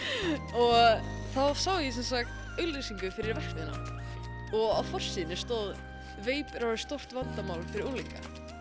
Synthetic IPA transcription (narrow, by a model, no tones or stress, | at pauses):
ɔɣ | θaðsawðɪɪsɛnsakt̪ | œɥlːisiŋkʏfɪɾɪɾvɛr̥hkvɪna̰ | ɔɣawfɔr̥siːðnɪst̪ɔð | veːjpɾawɾɪ̥st̪owr̥t̪vant̪amaːwlfɪɾɪɾulika̰